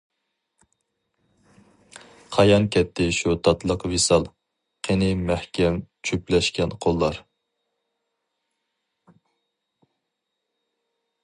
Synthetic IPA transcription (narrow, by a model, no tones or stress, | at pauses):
qʰɑjɑnkʲʰɛt̪ʰːɪʃut̪ʰɑt̪lˠəqvesɑlˠ | qʰenɪmæhkʲɛmt͡ʃʰyplɛʃkʲɛnqʰolˠːɑɾ